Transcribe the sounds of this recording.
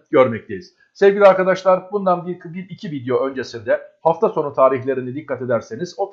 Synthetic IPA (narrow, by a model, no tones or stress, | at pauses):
ɟø̞ɾmɛc̚t̪ʰejiz̥ | sevɟilʲiaɾkad̪aʃlˠaɾbund̪anbiɾkʰɯbilʲicʰivid̪ejo̞ʔø̞nd͡ʒe̞sind̪ɛhaft̪ʰaso̞nut̪ʰaːɾiçlʲe̞ɾinid̪ikʰːat̪e̞d̪æɾseniz̥o